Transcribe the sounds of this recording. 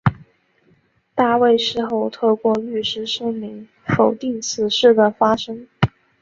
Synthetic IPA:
t̪a˥˧we˥˧ɪʂɻ̩˥˧xo˥˧ʊt̪ʰɤ˥˧kwɔ˥˧ly˥˩ʂɻ̩˥ʂɤ˥ŋmi˧˥ŋ | fo˨˩ʊt̪i˥˩ŋt͡sʰɹ̩˨˩ʂɻ̩˥˩d̪ə˩fa˥ʂɤ˥ŋ

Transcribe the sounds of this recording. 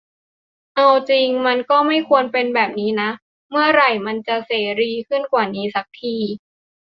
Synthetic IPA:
ʔa˧wt͡ɕi˧ŋma˧nkɔː˥˩ma˥˩jkʰu˧ənpe˧nbɛː˨˩p̚niː˦˥na˦˥ | mɯ˥˩ɐɾa˨˩jma˧nt͡ɕa˨˩seː˩˦ɾiː˧kʰɯ˥˩nkwaː˨˩niː˦˥sa˨˦˥k̚t̪ʰiː˧

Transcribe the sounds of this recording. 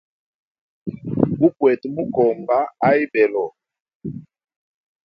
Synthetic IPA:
bu˦kwɛ˨tmu˦kɔ˨mba˦a˦i˦bɛ˨lɔ˨

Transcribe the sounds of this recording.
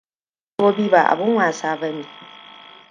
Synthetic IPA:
o˦biː˦ba˨ʔa̰˨bʊ˦waː˨saː˨bɐ˦ni˨

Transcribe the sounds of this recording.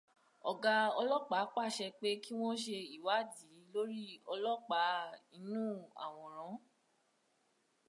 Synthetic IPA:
ɔ˨ɡa˧ɔ˧lɔ˦k͡pa˨˦k͡pa˦˨ʃɛ˧k͡pe˦ki˦w̃ɔ̃˦ʃe˧i˨wa˨˦di˨˦lo˦ɾi˦ɔ˧lɔ˦k͡pa˨˧˦i˧nũ˦a̰˨w̃ɔ̃˨ɾ̃ã˨˦

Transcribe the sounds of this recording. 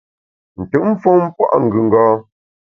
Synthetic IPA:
n̩˨tɨ˨m̩˦fɔ˦ŋm̩˦pwa̰˦ʔŋ̩˨ɡʉ˨ŋ̩˨ɡɔː˦

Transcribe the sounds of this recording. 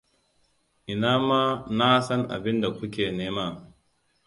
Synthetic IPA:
ʔɪ˨naː˦maː˦na˦sɐ˦ŋʔa̰˨bɪ˦nda˨kʷʊ˦kʲeː˨neː˦ma˦˨

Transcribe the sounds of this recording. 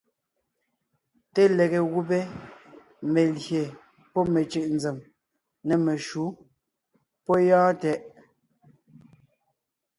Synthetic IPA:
te˦lɛ˨ɣe˨ɣu˦pe˦ | me˨lje˨ | pɔ˦me˨t͡ʃɯ˨ʔnd͡zɛ˨m | nɛ˨me˨ʃu˨˦ | pɔ˦jãː˦tɛ˦ʔ

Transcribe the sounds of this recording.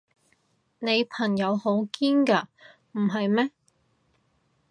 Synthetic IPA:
ne˨˧jpʰɐ˨˩ŋjɐ˨˧who˨˥wkiː˥nkaː˧ | m̩˨˩ɦɐ˨jmɛː˥

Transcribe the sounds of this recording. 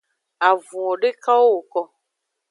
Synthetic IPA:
a˨vũ˨ɔ˨ɖe˦ka˦wo˦wo˨kɔ˧

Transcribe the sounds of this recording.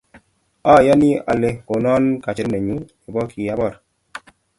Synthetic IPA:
ɔ˦˨ja˦ni˦a̰˨le˨o˨nɔ˦nka˨t͡ʃɪ˨ɾne˨ɲu˦ | e˨bɔ˦kʰi˨ja˦bɔ˦˨ɾ

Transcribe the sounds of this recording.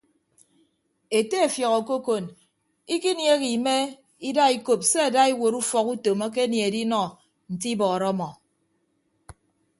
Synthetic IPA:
e˨te˦e˨fjɔ˨ɣɔ˨ko˦ko˨n | i˦ki˦nje˦ɣi˨me˦ | i˦da˦i˦ko˨p̚se˦a˨da˦i˦wo˨ɾu˦fɔ˨ku˦to˨ma˦k̬e˦nje˨e˨di˦nɔ˦ | n̩˨ti˦bɔ˨ɾɔ˦mɔ˨

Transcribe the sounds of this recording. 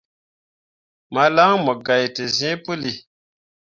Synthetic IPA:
ma˨la˦ŋmɔ˨ɡa˨jte˨zĩ˦pɨ˦li˨

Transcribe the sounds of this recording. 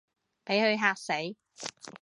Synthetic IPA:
pe˨˥jhɵ˨˧ɥɦaː˧k̚se˨˥j

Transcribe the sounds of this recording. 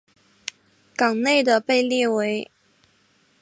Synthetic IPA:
kɑ˨˩ŋne˥˩ɪd̪ə˩pe˥˧ɪli˥˩we˧˥ɪ

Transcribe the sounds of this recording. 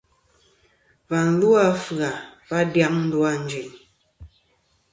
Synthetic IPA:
va˨n̩˨˦lu˦a˦fɯ˨a˨va˦dja˦ŋn̩˦du˦a˦n̩˦d͡ʒe˨ɲ

